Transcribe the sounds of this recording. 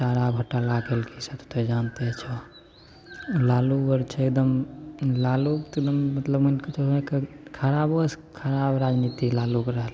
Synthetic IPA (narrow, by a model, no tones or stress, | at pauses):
t͡ʃaɾabʱəʈːalakelkʰisət̪ʰt̪ed͡ʒant̪et͡ʃʰɔ | lalubəɾt͡ʃʰek̚d̪əmlalukt̪kd̪əmːət̪ləbmənkət͡ʃʰoekkʰəɾabəs | kʰəɾabɾad͡ʒnit̪ilalukɾəɦəl